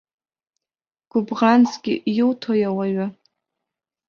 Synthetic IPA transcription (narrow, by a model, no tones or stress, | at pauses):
ɡ̥ʊbʁant͡sʰɡʲɪjɪltʰojawaɥa